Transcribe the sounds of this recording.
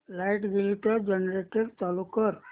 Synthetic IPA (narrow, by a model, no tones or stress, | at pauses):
lajʈɡilʈəd͡ʒənɾeʈiɾt̪alukəɾ